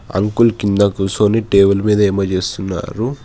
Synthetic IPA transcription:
ɐ̰ŋkulkind̪ɐkusoːniʈeːbulmiːd̪ɐemɐt͡ʃe̞ːst̪unːa̰ːɾu

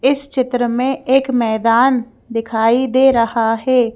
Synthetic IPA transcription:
ɪst͡ʃɪt̪ɾəmẽeːkmɛːd̪aːn | d̪ɪkʰaːid̪eːɾɐhaɦɛː

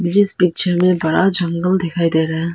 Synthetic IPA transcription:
mɪd͡ʒɪspik̚t͡ʃʰəɾmẽbɐɽad͡ʒə̃ŋɡəld̪ekʰaːid̪eːɾaɦɛ̃

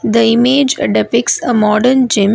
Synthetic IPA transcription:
d̪əɪmeːd͡ʒɖɛpɪksəmɔːɖəɾnd͡ʒɪ̃m

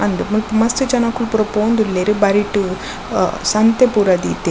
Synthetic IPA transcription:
ɐnd̪ɯmpmɐst̪ɯt͡ʃɐnaːkːulpuɾɐpoːnd̪ulːeɾɯbɐɾiʈːu | sɐnt̪epuɾɐd̪it̪ːe

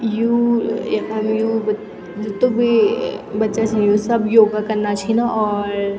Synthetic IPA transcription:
jujaɐmjub | t̪obʱibɐtːʃat͡ʃʰijusɐbjoːɡakɐɾnat͡ʃʰinaʔɔːɾ

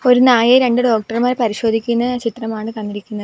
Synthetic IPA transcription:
o̞ɾunaːjɐɾe̞ɳɖɨɖo̞ːk̚ʈɐrmaːɾpɐɾiɕo̞ːd̪ʱikʲːunːɐt͡ɕit̪rɐmaːɳɨkɐnːiɾikʲːunːɐðɨ

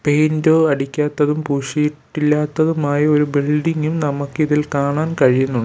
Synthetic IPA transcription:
pejndoːɐɽikʲːaːt̪ːɐðumpuːʂijiʈːilːaːt̪ːɐðumaːjɐo̞ɾubilɖiŋːumnɐmɐkːɨiðilkaːɳaːnkɐɻijunːuɳɖ

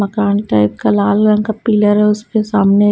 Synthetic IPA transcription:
ɐkaːnʈaːɪp̚kalaːlɾɐ̃ŋkapiːləɾɦɛʊspesaːmne

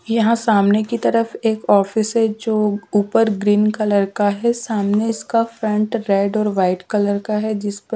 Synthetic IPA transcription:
jɐɦãsaːmnekit̪ɐɾəfeːkɔːfɪsɦɛd͡ʒoːuːpəɾɡɾiːnkɐləɾkaɦɛsaːmneɪskafɾɐ̃ɳʈɾeːɖɔːɾʋaːɪʈkɐləɾkaɦɛd͡ʒɪspə

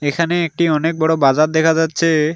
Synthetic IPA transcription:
ekʰaneek̚ʈiɔnek̚bɔɽobad͡ʑaɾd̪ɛkʰad͡ʑatːɕʰe

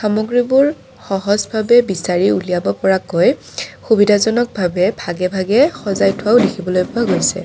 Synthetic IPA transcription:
xamɔɡɹibʊɹ | xɔɦɔzbʱabɛbisaɹiulijabɔpɔɹakɔj | xubidʱazɔnɔk̚bʱabɛbʱaɡɛbʱaɡɛxɔzajtʰʊwaʊdekʰibɔlojpʊaɡojsɛ̰

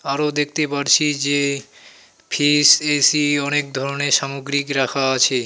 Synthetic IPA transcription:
aɾod̪ek̚ʰt̪epaɾt͡ɕʰid͡ʑe | pʰisesiɔnek̚d̪ʱɔɾoneʃamoɡɾikɾakʰaat͡ɕʰe

